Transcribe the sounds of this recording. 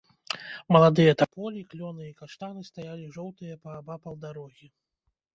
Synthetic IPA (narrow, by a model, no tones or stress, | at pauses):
mɐlˠad̪ɨjɐt̪apɔlʲiklʲɔnɨikaʂt̪anɨst̪ajalʲiʐɔwt̪ɨjɐpɐːbapɐlˠd̪aɾɔɣʲi